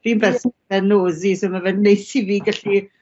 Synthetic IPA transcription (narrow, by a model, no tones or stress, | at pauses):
v̥inbɛsvɛnoːzisomavɛnnejθiviːɡaɬi